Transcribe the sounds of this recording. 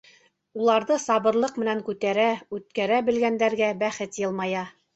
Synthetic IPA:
ulˠɑɾðɤsɑβɤ̆ɾlˠɤqmɘ̆næŋkʉt̪æɾæʉt̪̚kæɾæbɘ̆lɡænd̪æɾɡæbæχɘt̪jɤ̆lˠmɑjɑ

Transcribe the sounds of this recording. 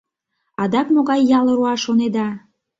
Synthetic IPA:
ɑd̪ɑkmoɣɑjːɑlɤ̆ɾuɑʃoned̪ɑ

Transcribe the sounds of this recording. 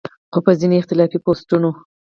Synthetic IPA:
xopəzineɪxt̪ɪlɑfipost̪uno

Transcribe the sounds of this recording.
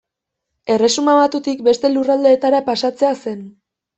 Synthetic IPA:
e̞re̞sumaβat̪ut̪ik̚be̞st̪e̞lurald̪e̞ːt̪aɾapasat͡se̞ase̞n

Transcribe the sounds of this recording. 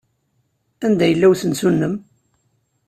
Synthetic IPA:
ænd̪æjəlːæwθənsunːəm

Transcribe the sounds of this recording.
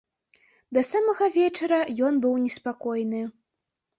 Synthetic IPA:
d̪ɐsamɐɣɐvʲɛt͡ʂɐɾɐjɔnbɨwnʲɛspakɔjnɨ

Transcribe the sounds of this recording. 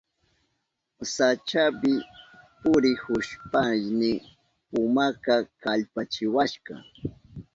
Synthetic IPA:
sat͡ʃapɪpʊɾɪhʊʃpajnɪ | pʊmakakaʎpat͡ʃɪwaʃɢɑ̰

